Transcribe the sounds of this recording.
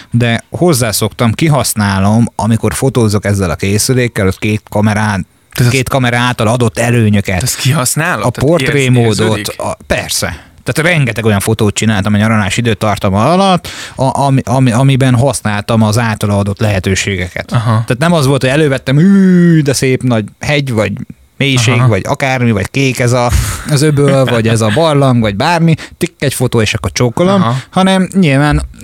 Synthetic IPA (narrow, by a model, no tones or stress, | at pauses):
d̪ɛho̞zːaːso̞kt̪ɒmkiɦɒsnaːlo̞mɒmiko̞rfo̞t̪oːzːokɛzːɛlɒkeːsyleːkːɛlot̪keːt̪kɒmɛɾaː | keːt̪kɒmɛɾaːlt̪ɒlɒd̪o̞t̪ːɛløːɲøkɛt̪kiɦɒsnaːlɒport̪reːmoːd̪o̞t̪pɛrsɛ̰t̪aːt̪rɛŋɡɛt̪ɛɡo̞jɒɱfo̞t̪oːt̪̚t͡ʃinaːlt̪ɒmɒɲɒɾɒlaːʃid̪øːt̪ːɒrt̪ɒmɒlɒlɒt̪ːɒʔɒmʔɒmiɒmibɛnɦɒsnaːlt̪ɒmɒzaːt̪ɒlɒːd̪o̞t̪lɛɦɛt̪øːʃeːɡɛkɛ̰t̪ːaːt̪nɛmɒzʋo̞lt̪hoɛløːvɛt̪ːɛmyːd̪ɛseːpnɒɟhɛɟvɒɟ | meːjiʃeːɡvɒɟɒ̰kaːrmivɒ̰ckeːkɛzɒɒzøbølvɒɟɛzɒbɒrlɒŋɡvɒɟbaːrmit̪ikːɛcfo̞t̪oːeːʃɒkːot͡ʃoːkːolomhɒnɛmɲilvaːn